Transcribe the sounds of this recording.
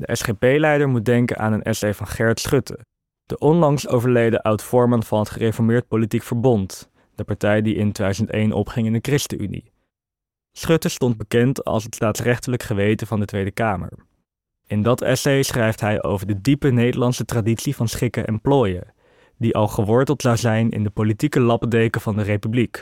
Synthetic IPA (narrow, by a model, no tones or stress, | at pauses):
dəʔɛsχepejlɛjdəɹmut̚dɛŋkə̰nʔa̰ːnənɛ̰sejvɑnχɛɹtsχɵtʰə̰ | d̥əʔɔnlɑŋsowvəɹlejdəʔʌwtfɔɹmənv̥ɑnɦətχərefɔɹmɪːɹt̚politikfəɹbɔnt | d̥əpɑɹtɛjdiʔɪntedœzəntejnʔɔ̰pχɪŋɪndəkrɪstəʔy̰nḭ | sχɵtəstɔnd̚bəkɛntɑ̰lˠs̬ɦətstaːtsrɛχtələkχəʋejtəvɑndətʋejdəkaːmə̰ɹ | ɪndɑtɛ̰sejsχrɛjftɦɛjʔo̰wvəɹdədipənejdəɹlɑnsətraditsivɑnsχɪkəʔɛ̰mploːjə̰ | diʔɑlˠχəʋɔɹtəlˠtz̥ɑwzɛjnɪ̰ndəpolitikəlɑpədejkəv̥ɑndərejpyblik